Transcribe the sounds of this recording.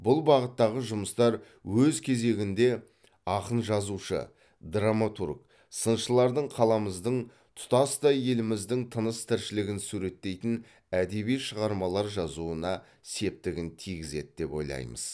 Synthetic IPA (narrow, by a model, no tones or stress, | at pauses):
bʊlˠbɑʁət̪ːɑʁəʒʊməst̪ɑɾ | wɵzkʲʰe̞ze̞ɡʲɪnd̪e̞ | ɑqənʒɑzuʃə̰ | d̪ramat̪urɡ | sənʃəlˠɑɾd̪əɴqʰɑlˠɑməzd̪əɴ | t̪ʰʊ̥t̪ɑsd̪ɑje̞lɪmɪzd̪ɪŋt̪ʰənəst̪ʰɪɾʃɪlɪɡʲɪnsuɾe̞t̪ːe̞jt̪ɪn | æd̪e̞βijʃəʁɑɾmɑlˠɑɾʒɑzuənɑ | se̞p̚t̪ɪɡʲɪnt̪ʰijɡʲɪze̞t̪d̪e̞po̞̰jlˠɑ̰jmə̰z̥